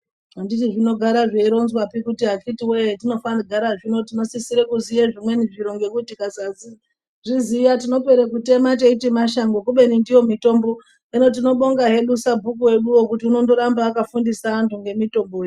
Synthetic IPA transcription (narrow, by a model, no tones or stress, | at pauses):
ɦanditiʐino̞ɡʱaɾaʐeiɾo̞nzwapikutiɦakitiweetino̞fanaɡʱaɾaʐino̞tino̞sisiɾekuzijeʐimwe̞niʐiɾo̞ŋɡe̞kutikazazi | ʐizijatino̞pe̞ɾekute̞mateitimaʃaŋɡokuɓe̞nindijo̞mito̞mbo̞ | ino̞t̬ino̞ɓo̞ŋɡaɦe̞ɗusabʱukuwe̞ɗuwokutiuno̞ndo̞ɾambaːkafundisaːntuŋɡe̞mito̞mboje